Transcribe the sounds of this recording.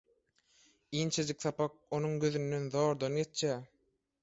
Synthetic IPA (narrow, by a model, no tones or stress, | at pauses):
iːnt͡ʃʰed͡ʒik̚θɑpɑk̚onuŋɡøðynd̪e̞nðoːɾd̪ɑnjet͡ʃjæː